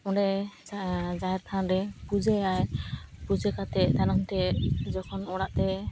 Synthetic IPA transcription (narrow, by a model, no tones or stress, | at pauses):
ɔɖɛ | d͡ʒaɦɛɾt̪ʰanɾɛpud͡ʒɛajpud͡ʒɛkat̪ɛt̪anɔŋt̪ɛd͡ʒɔkʰɔnɔɽaʔt̪ɛ